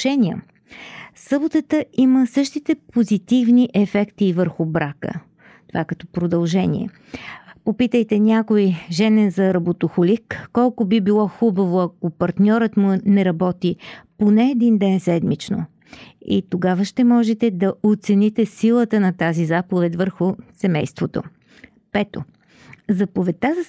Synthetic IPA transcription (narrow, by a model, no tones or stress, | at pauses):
ʃɛnʲiə̰ | sɤbot̪ət̪əʔiməsɤʃt̪it̪ɛpozit̪ivniʔɛfɛkt̪ivəɾxʊbɾakə̰ | t̪ovakɐt̪ɔpɾod̪ɐlˠʒɛnḭɛ̰ | popit̪əjt̪ɛnʲakojʒɛnɛnzɐɾɐbot̪oxolikːɔlˠkʊbibilˠɔxubɐvoɐkopɐɾt̪nʲɔɾət̪mʊnɛɾɐbɔt̪iponɛːd̪ind̪ɛnsɛd̪mit͡ʃno̰ | ḭt̪oɡavəʃt̪ɛmɔʒɛt̪ɛd̪ɐot̪sɛnit̪ɛsilˠət̪ənɐt̪azizapovɛt̪ʲvəɾxʊsɛmɛjst̪vot̪o̰ | pɛt̪o̰ | zɐpovɛt̪ːaz